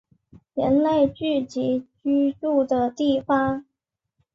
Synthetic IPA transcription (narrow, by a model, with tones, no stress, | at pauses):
jə˧˥nle˥˧ɪt͡ɕy˥˩t͡ɕi˧˥t͡ɕy˥ʈ͡ʂu˥˩d̪ə˩t̪i˥˩fa˥ŋ